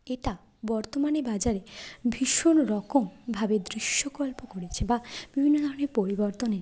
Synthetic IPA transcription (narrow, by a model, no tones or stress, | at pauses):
eʈa | bɔɾt̪omanebad͡ʑaɾebʱiʃonɾɔkombʱabed̪ɾiʃːokɔlpokoɽet͡ɕʰebab̥ibʱinːod̪ʱɔɾɔneɾpoɾibɔɾt̪oneɾ